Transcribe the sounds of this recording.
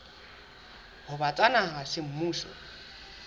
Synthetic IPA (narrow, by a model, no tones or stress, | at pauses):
hʊbat͡sʼanaɦasɪm̩muːʃɔ̰